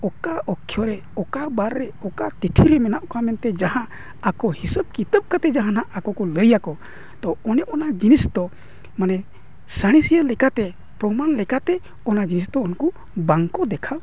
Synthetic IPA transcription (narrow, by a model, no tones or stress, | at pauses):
ɔkaɔkʰːjɔɾɛ | ɔkabaɾːɛɔkat̪iʈʰiɾɛmɛnaʔkamɛnt̪ɛd͡ʒahã | akɔhisəb̚kit̪əb̚kat̪ɛd͡ʒaɦãnaʔʔakɔkɔləjakɔ | t̪ɔɔnɛʔɔnad͡ʒinisd̪ɔ | manɛ | saɽ̃isiəlɛkat̪ɛ | pɾɔmanlɛkat̪ɛ | ɔnad͡ʒinisd̪ɔɔnku | baŋkɔd̪ɛkʰa